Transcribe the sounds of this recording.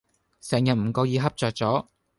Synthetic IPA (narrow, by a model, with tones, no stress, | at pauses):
sɛː˨˩ŋjɐ˨t̚m̩˨˩kɔː˧jiː˨˧ɦɐ˥p̚t͡sœː˨k̚t͡sɔː˨˥